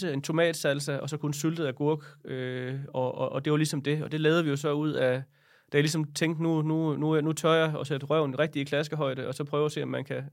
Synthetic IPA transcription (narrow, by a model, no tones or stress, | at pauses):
əe̝nt͡sʰo̝mɛ̰ːd̥sælsəɒ̽sɒ̽kʰunsyld̥ð̩ˠæɡ̥uɐɡ̥øɒ̽ɒʔːd̥e̝ʋɑlisɒ̽md̥e̝ɒ̽d̥e̝lɛːʊð̩ˠʋijo̝sɒ̽uð̞̰ˠæ | d̥æjlisɒ̽mt͡sʰeŋ̰ɡd̥nunununut͡sʰɒɐɒ̽sed̥ʁɶʊ̰nʁeɡ̥̚d̥iːkʰlæs̬ɡ̥əɦɒ̽ɪ̰d̥əɒ̽sɒ̽pʰʁœːʊɐse̝̰ːɒ̽mːænkʰæ